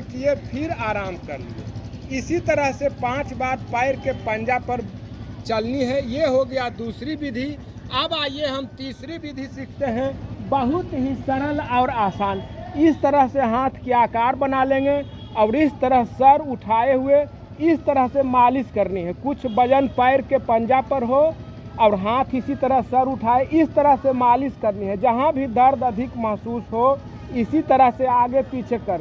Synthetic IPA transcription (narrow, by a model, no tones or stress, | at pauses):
kjepʰiɾaːɾaːmkəɾniɦɛ̰isit̪əɾəɦsepãt͡ʃbaɾpaɪɾkepənd͡ʒapəɾt͡ʃəlniɦɛjeɦoɡəjad̪usɾibid̪ʱi | əbaːjeɦəmt̪isɾibid̪ʱisikʰt̪eɦɛ̃bəɦut̪ɦisəɾəlaʊɾaːsaːnɪst̪əɾəɦseɦãt̪ʰkiakaɾbənalẽŋɡe | aʊɾist̪əɾəɦsəɾuʈʰaeɦue | ɪst̪əɾəɦsẽmaliskəɾniɦɛ̃kut͡ʃʰbəd͡ʒənpəɪɾkepənd͡ʒapəɾɦo | aʊɾɦãt̪ʰisit̪əɾəɦsəɾuʈʰaeʔɪst̪əɾəɦsẽmaliskəɾniɦɛ̃d͡ʒəɦãbʱid̪ʱəɾd̪əd̪ʱikməɦsusɦo | isit̪əɾəɦseaɡepit͡ʃʰekəɾ